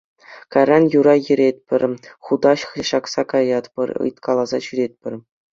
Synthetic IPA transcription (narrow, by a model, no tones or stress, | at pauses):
kɑrʲɑnjuɾɑjɘ̆ɾʲet̪ʲpʲɘ̆rʲχud̪ɑɕɕɑksɑkɑjɑt̪pʲɘ̰̆rʲɯ̰jt̪kʰɑlˠɑzɑɕyɾʲet̪ʲpʲɘ̆rʲ